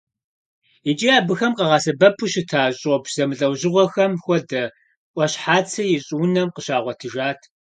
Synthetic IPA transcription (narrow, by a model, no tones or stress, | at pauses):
it͡ʃʼiaːbɨxɐmqɐʁɑsɐbɐpʰʊɕɪtʰaːɕʼɔbz̥ɐmɨɮʼɐwʑɪʁʷɔxɐmxʷɔdɐ | ʔʷʼɔɕħaːt͡sʰɐjɪɕʼuːnɐmqəɕaːʁʷɔtʰɨʒaːtʰ